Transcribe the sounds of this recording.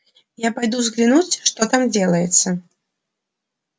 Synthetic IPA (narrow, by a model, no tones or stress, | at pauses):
japajd̪uzɣlʲinut͡sʲʂt̪ɔt̪amd͡zʲɛlˠɐjɛt̪sːɐ